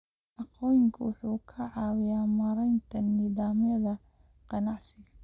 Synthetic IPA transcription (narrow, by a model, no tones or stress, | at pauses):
ʔɑqɔːjɪŋkʰɐwʊħuːkʰɐʕɑːwɪjaːmɐɾɛjnt̪ʰɐnɪðaːmjɐðɐ | qɑnɑʕsɪɣɐ